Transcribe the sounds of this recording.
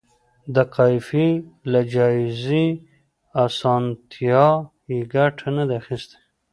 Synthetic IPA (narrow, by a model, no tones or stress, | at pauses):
d̪əqɑjfilad͡ʒɑɪzi | asɑnt̪ʰjɑ | iɡaʈʰanad̪eaxist̪e̥